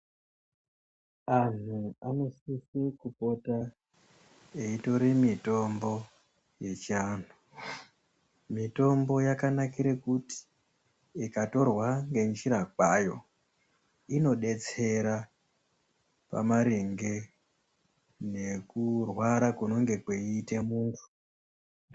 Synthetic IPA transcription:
an̤uano̞sisekupo̞ta | eito̞ɾemito̞mbo̞ | je̞t͡ʃiaːn̤u | mito̞mbo̞jakanakiɾekuti̥ | ikato̞rwaŋɡe̞nd͡ʒiɾakwajo̞ | ino̞ɗe̞t͡se̞ɾa | pa̰maɾeŋɡe̞ | ne̞kurwaɾakuno̞ŋɡe̞kweiːte̞muːntu̥

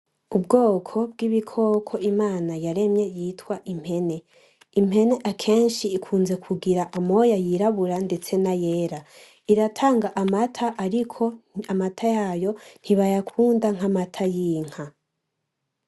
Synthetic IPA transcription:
ubɡo̞ːkʰo̞b̚ɡiβikʰo̞ːkʰo̞ʔimaːnajaɾe̞mje̞jitwaʔim̥he̞ne̞ | im̥he̞ne̞ʔakʰe̞ːnʃiːkʰuːnze̞kʰuɡiɾaʔamo̞jajiɾaβuɾande̞t͡se̞najeːɾa | iɾatʰaːŋɡaʔamatʰaʔaɾikʰo̞amatʰajaːjo̞n̥iβajakʰuːndaŋ̥amatʰajiːŋ̥ha

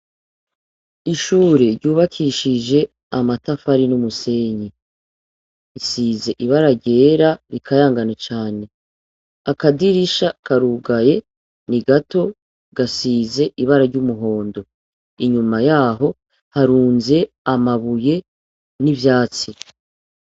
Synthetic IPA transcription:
iʃuːɾeɾɟuːβakʰiʃid͡ʒe̞ | amatafaɾinumuse̞ːɲi | isize̞ʔiβaɾaɾɟe̞ːɾaɾikʰajaːŋɡanat͡ʃaːne̞ | akadiɾiʃakaɾuːɡaje̞ | niɡato̞ | ɡ̥asiːze̞ʔiβaɾaɾɟumuɦo̞ːndo̞ | iɲumajaːɦo̞ | haɾuːnze̞ | amaβuje̞ | nivjaːt͡si

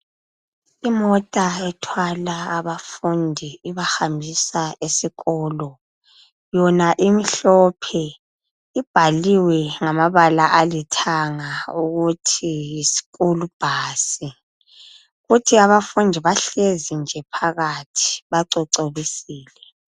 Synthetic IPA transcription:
imɔtʼaɛtʰwalaːβafundʱiiβaxambʱisaesiɣɔːlɔ | jɔnaʔimiɬɔpʰɛ | ib̥ʱaliwɛŋamaβalaʔalitʰaŋauɣutʰijisi̥ɣulub̥ʱaːsi | ɣutʰiaβafundʱiβaɬezind͡ʒʱɛpʰaɣatʰi̥βaǀɔǀoβisiːlɛ

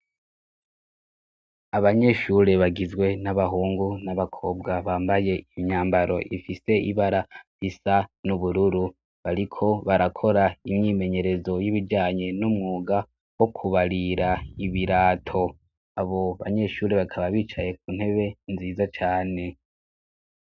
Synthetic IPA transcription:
aβaɲe̞ʃuɾe̞βaɡizɡwe̞naβaɦuːŋɡunaβakʰo̞ːbɡaβaːmbaje̞iɲaːmbaɾo̞̰ʔifise̞iβaɾa | isanuβuɾuɾu | βaɾikʰo̞βaɾakʰo̞ɾaimɲiːme̞ɲe̞ɾe̞zo̞jiβiɟaːɲe̞numŋuːɡa | wo̞kʰuβaɾiɾaiβiɾaːtʰo̞ | aβo̞βa̰ɲe̞ʃuːɾe̞βakʰaβaβiːt͡ʃaje̞k̚uːn̥he̞βe̞nziːzat͡ʃaːne̞

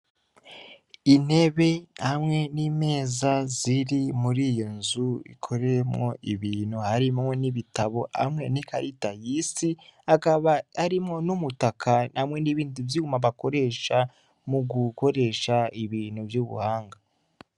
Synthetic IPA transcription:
ine̞βe̞hamŋe̞niːme̞ːzaziɾimuɾiːjonzuḭkʰo̞ɾemŋo̞̰ʔiβiːn̥huhaɾimoniβitaβo̞ha̰mŋe̞nikʰaɾitajiːsiakaβaːɾimŋo̞numutakʰanamŋe̞niβiːnduvjiumaβako̞ɾe̞ːʃa | muɡuko̞ɾe̞ːʃaiβiːnhuvjuβṵhaːŋɡa

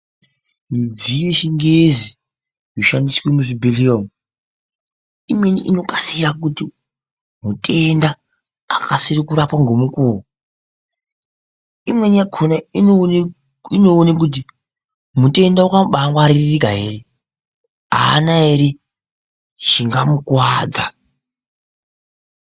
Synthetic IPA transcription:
mib͡vijeʃiŋɡezi | joʃandiswemuʐibʱeliom | imwe̞nḭʔḭno̞kasiɾakuti | mutʼe̞ndaː | kasirikuɾapwaŋɡomukuːwo | imwe̞niakʰonai | inoːnik̬ut̬i | mute̞ndaukaɓaŋɡwaɾirikaɦere | a̰ːnaɦeɾi | ʐiŋɡamukwaːd͡za

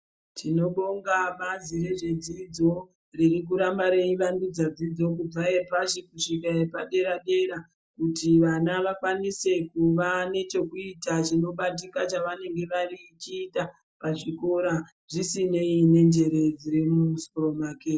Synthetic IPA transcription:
tʰino̞ɓoŋɡamazire̞ʐe̞d͡zid͡zo̞ | ririk̬uɾambaɾe̞iʋandud͡zad͡zid͡zo̞k̬ub͡vaepaʃikuʂikaepaɗe̞ɾaɗe̞ɾa | kutiʋanaʋakwanise̞kuʋane̞t͡ʃo̞kuitaʐino̞ɓat̬ikat͡ʃaʋane̞ŋɡe̞ʋarit͡ʃiːta | paʐiko̞ɾa | ʐ̥isine̞ine̞nd͡ʒe̞ɾe̞d͡ziɾimusoromakeː

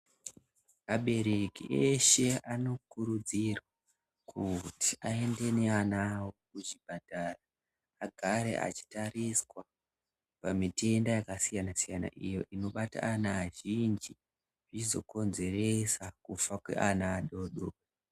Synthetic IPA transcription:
aɓe̞ɾekiʔeʃe̞ano̞kuɾud͡zirwa | kʰuti̥ae̞nde̞neanawokuʐibʱadʱaraː | ɡʱaɾe̞̰ʔa̰t͡ʃi̥tariswa | pamite̞ndajakasijanasijana̰ʔijo̞̰ʔino̞ɓata̰ʔːnaːʒind͡ʒi | ʐ̥it͡ʃizo̞̰ko̞nze̞re̞sakufakwḛʔanaːɗo̞ɗo

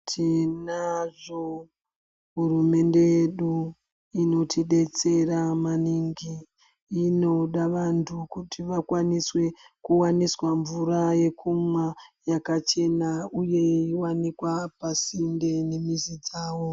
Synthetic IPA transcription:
tʰinaʐo | ɦurume̞nde̞jeɗu | ino̞tʰiɗe̞t͡se̞ramaniŋɡiː | no̞ɗaʋantʰukutʰiʋakwaniswe̞ | kuwaniswaɱvuɾaje̞kʰumwajakat͡ʃe̞nauje̞iwanikwapasinde̞nemizid͡zaːwo

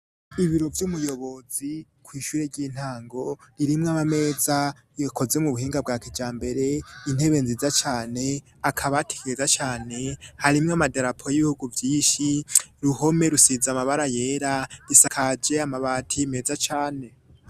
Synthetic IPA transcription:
iβiɾo̞vjumujo̞βo̞zi | kwiːʃuːɾeɾɟiːn̥haːŋɡo̞ɾiɾimŋaβame̞ːza | ko̞zemuβuhiːŋɡab̚ɡaːkid͡ʒaːmbe̞ɾe̞in̥he̞βe̞nzizat͡ʃaːne̞ | akʰaβatʰe̥ɡeezat͡ʃaːne̞haɾimŋamadaɾapʰojiβihuɡuvjiːnʃiɾuho̞me̞ɾusizamaβaɾaje̞ːɾaɾisakʰad͡ʒe̞amaβatʰime̞zat͡ʃaːne̞

